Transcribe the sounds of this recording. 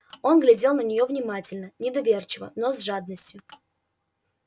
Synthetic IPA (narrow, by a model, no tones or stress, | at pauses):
o̞nɡlʲɪdʲe̞lˠnənʲɪjo̞vnʲɪmatʲɪlʲnənʲɪd̪ɐvʲert͡ɕɪvə̰nozʐad̪nəsʲtʲjʊ